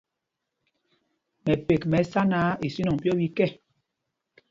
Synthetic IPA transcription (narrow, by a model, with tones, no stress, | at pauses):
mɛ˨pe˨kmɛ˨˦sa˦na˨˦i˨si˦nɔ˨ŋ˨pjɔ˦bi˦kɛ˦˨